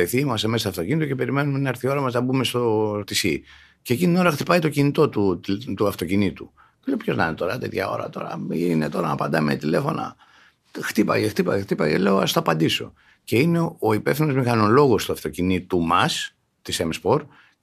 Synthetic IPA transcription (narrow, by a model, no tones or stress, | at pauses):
eθiimɐst̪e̞mest̪ɐft̪o̞cinit̪oce̞pe̞ɾime̞numenɐɾθio̞ɾɐmɐznɐbume̞st̪o̞t̪isi | ceːcinio̞ɾɐxt̪ipɐit̪o̞cinit̪o̞t̪ut̪uɐft̪o̞cinit̪u | leopço̞znɐ̰net̪o̞ɾɐt̪e̞t̪çɐ̰o̞̰ɾɐ̰t̪o̞ɾɐ̰inet̪o̞ɾɐnɐpɐnd̪ɐmet̪ile̞fo̞nɐ̰ | xt̪ipɐ̰ʝext̪ipɐjext̪ipɐ̰ʝḛle̞oɐst̪oɐpɐnd̪iso̞̰ | ce̞ine̞o̞ipe̞fθino̞zmixɐno̞lo̞ɣo̞st̪uɐft̪o̞cinit̪umɐs | t̪isemspo̞ɾ